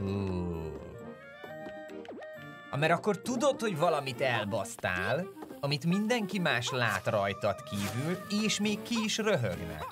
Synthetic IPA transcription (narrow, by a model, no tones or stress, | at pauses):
uː | ɒmɛɾɒkːo̞rt̪ud̪o̞t̪ho̞ɟvɒlɒmit̪ɛlbɒst̪a̰ːlɒmit̪mind̪ɛŋkimaːʃlaːt̪rɒjt̪ɒt̪kiːvyleːʃmeːkːiːʃrø̞ɦøɡnɛ̰k